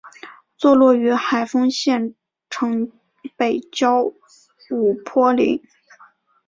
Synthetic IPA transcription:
t͡swɔ˥˧lwɔ˥˩y˧˥xa˨˩ɪfɤ˥ŋɕjɛ˥˩n | ʈ͡ʂʰɤ˧˥ŋ | pe˨˩ɪt͡ɕjɑ˥ʊ | u˨˩pʰwɔ˥lḭ˧˥ŋ

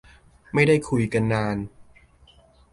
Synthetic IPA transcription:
ma˥˩jda˥˩jkʰu˧jka˧nːaː˧n

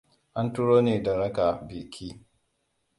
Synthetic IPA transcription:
ʔa˦ntʊ˦ɾoː˦neː˨da˨ɾɐ˦kaː˨biː˨kʰʲiː˦

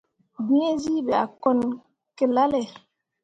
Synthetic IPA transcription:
bĩ˦e˦zi˦bɛ˨a̰˨kɔ˨n | ke˨la˦lɛ˨

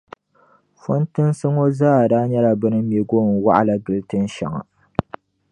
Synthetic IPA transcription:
fɔ˦ntɨ˦nsɨ˦ŋo˦zaː˦˨daː˦ɲɛ˦la˨bɨ˦nɨ˦je˨ɡo˦˨n˨wa̰˦ʔa˦la˨ɡɨ˨ltɨ˦n˦ʃa̰˨ŋa̰˨

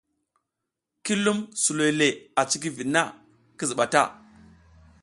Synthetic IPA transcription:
ki˦lu˦msu˨lo˨jle˨a˨t͡ʃi˦k̬i˦vi˨nːa˦ | ki˦zi˨ɓa˨ta̰˦˨

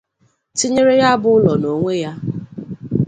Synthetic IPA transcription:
ti˦ɲe˦ɾe˦ja˦bʊ˦ʊ˦lɔ˨no˨ŋʷe˦ja˦

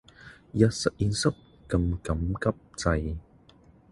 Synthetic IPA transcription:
jɐ˧t̚sɐ˨ʔ̚ji˧nsɐ˦˥p̚ | kɐ˧mkɐ˨˦mkɐ˥p̚t͡sɐ˧j

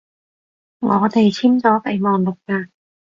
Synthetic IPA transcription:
ŋɔː˨˧t̪e˨˩jt͡sʰiː˥mt͡sɔː˨˥pe˨˩jmɔː˨˩nlʊ˨˩k̚kaː˧

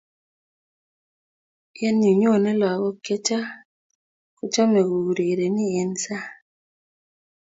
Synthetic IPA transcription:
jɛ˦nɲu˨ɲo˦˨nɛ˦la˨ɣɔ˦ke˦t͡ʃa˦ | ku˦t͡ʃa˦mɛ˨ɡo˨u˨ɾe˨ɾe˨ni˦ɛ˨nsa˦

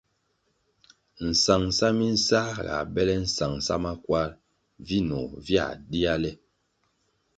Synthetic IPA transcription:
n̩˨sa˨ŋsa˦mi˦n̩˦sa˦ɣa̰˨bɛ˦lɛ˦n̩˦˨sa˨ŋsa̰˦ma˦kwa˦ɾ | vi˦nɔ˨vja̰˦˨di˦a˦lɛ˦

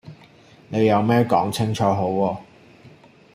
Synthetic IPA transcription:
ne˨˧jɐ˨˧wmɛː˥kɔː˨˥ŋt͡sʰɪ˥ŋt͡ʃʰɔː˨˧ɦo˨˥wɔː˧

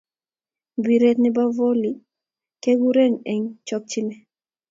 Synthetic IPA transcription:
bi˨ɾe˦t̪nɪ˦ba˦vo˦li˨ | ke˦ɡu˦ɾe˦nɛ˨ɲt͡ʃɔ˦k̚t͡ʃɪ˦nɛ˦

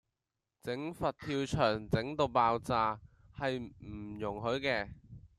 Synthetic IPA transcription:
t͡sɪ˨˥ŋfɐ˨t̚t̪ʰiː˧wt͡ʃʰœː˨˩ŋt͡sɪ˨˥ŋt̪o˧wpaː˧wt͡saː˧hɐ˨jm̩˨˩jʊ˨˩ŋɦɵ˨˥ɥkɛː˧

